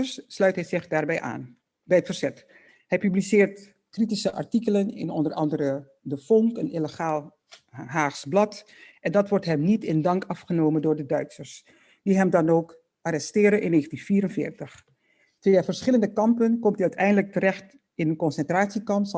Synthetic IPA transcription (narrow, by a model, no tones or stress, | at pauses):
əsːlœɥtɦɛjzɪχdaːɹbɛjʔa̰ːn | bɛjətfəɹz̥ɛt | hɛjpyblisɪːɹt | kritisəʔɑ̰ɹtikələnɪ̰nɔndərʔɑ̰ndəɾə | dəfɔŋkənɪləχaːlˠ | ɦaːχsblɑt | ʔɛndɑtʋɔɹtɦɛmnitɪndɑŋkɑfχənowməndʊːɹdədœɥtsəɹs | d̥iɦɛmdɑnoːk | ʔarɛstɪːɾənʔɪ̰nːeːχəntinfiːɾənfɪ̰ːɹtəχ | tʋeːafəɹsχɪləndəkɑmpənkɔmtdiœɥtɛjndələk̚tərɛχt | ɪnənkɔnsɛntraːtsikɑms